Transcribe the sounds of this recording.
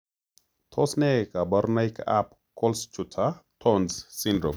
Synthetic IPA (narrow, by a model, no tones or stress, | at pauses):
t̪ʰɔsnɛkabɐɾnajka̰p̚ | kɔlst͡ʃutʰatʰɔnssindɾo̰m